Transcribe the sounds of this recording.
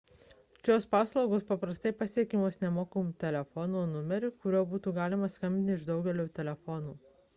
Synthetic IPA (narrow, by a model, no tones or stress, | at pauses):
ʃʲoːspɑːslˠɒʊɡoːspɐpɾɐst̪ɐɪpɐsʲiɛkʲimoːsnʲɛmoːkɐmuːt̪ʲɛlʲɛfɔnunʊmʲɛɾʲukʊɾʲoːbuːt̪uːɡɑːlʲɪmɐskɐmʲbʲɪnʲɪʒd̪ɒʊɡʲɛlʲoːt̪ʲɛlʲɛfɔnuː